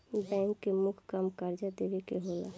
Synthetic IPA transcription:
bɛ̃ŋkːemʊkʰkəmkəɾd͡ʒad̪eʋekeɦoːla̰

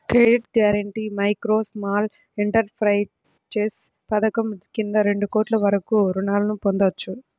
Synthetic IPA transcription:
kɾeɖeʈɡjaːɾɐɳʈiːmɐjkɾoːsmaːl | iɳʈɐɾpʰɾɐj | t͡ʃeːspɐd̪ɐkɐmkind̪ɐɾe̞ɳɖukoːʈlɐʋɐɾɐkuɾuɳaːlɐnupond̪ɐt͡ʃːu

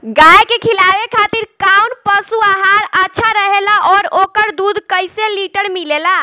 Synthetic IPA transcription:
ɡaekekʰilaʋekʰat̪iɾkaunpəsuaɦaɾətːʃʰaɾəɦelaʔɔɾokəɾd̪ud̪ʱkəjseliʈəɾmilela

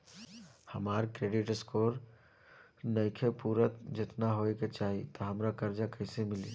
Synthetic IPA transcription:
həmaːɾkɾeːɖɪʈəskoːɾ | nəkʰepuːɾət̪d͡ʒɪt̪naɦoeket͡ʃaːɦit̪ɔɦəmɾakəɾd͡ʒakəɦsemɪlḭ

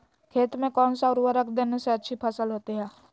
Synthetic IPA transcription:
kʰeːt̪mẽkɔːnsaɔɾʋəɾəkʰd̪eːneseɐtːʃʰipʰɐsəlɦoːt̪iɦɛː

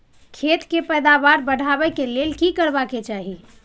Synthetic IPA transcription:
kʰet̪kepɛjd̪abaɾbəɽ̤ʱabɛkelelkikəɾbaket͡ʃaɦi

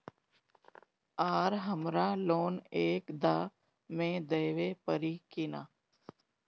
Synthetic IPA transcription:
aːɾɦəmɾaloːneːkd̪aː | mẽd̪eːʋepəɾikɪna̰ː

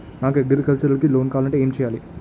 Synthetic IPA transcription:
naːŋɡɐɡɐɾkɐlt͡ʃɐɾɐlkːɯloːnkaːlɐɳʈɯeːmt͡ʃɛjaːli

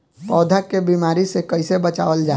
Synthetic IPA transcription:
pɔːd̪ʱakebiːmaːɾisekəɪsebɐt͡ʃa̰ːʋəld͡ʒaː

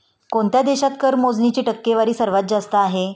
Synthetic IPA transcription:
koɳt̪jad̪eɕat̪kəɾmod͡znit͡ɕiːʈəkːeʋaɾiːsəɾʋət̪̚d͡zast̪əaɦe

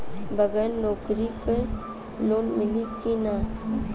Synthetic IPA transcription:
bəɡɛːɾnoːkɾike | loːnmɪlikina

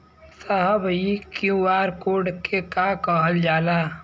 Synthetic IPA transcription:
səɦəbikjũaːɾkoːɖkekakəɦəld͡ʒaːlaː

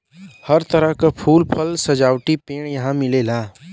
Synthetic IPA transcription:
həɾt̪əɾəɦkapʰuːlpʰəlsɐd͡ʒaːwʈipeːɽ̃jɐɦãmɪlelaː

